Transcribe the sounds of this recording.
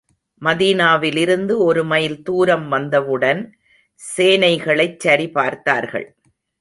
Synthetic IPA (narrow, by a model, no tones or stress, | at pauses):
mɐðiːnaːʋɪlɪɾɯnd̪ɯɔɾɯmɐjɪlt̪uːɾɐmʋɐnd̪ɐʋɯɽɐn | seːnɐɪɣɐɭɐɪt͡ʃːɐɾipaːɾt̪aːɾɣɐ̰ɭ